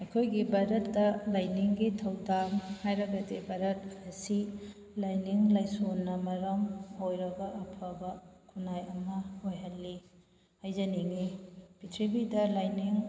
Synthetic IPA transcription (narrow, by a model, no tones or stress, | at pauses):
ɐjkʰojɡibɐɾɐtːɐlajniŋɡitʰɐwdahajɾɐɡɐdebɐɾɐt̚ɐsi | lajniŋlajsonːɐmɐɾɐmojɾɐɡɐʔɐpʰɐbɐkʰunajɐmɐojɦɐlːi | hajzɐniŋipitʰɾibidɐlajniŋ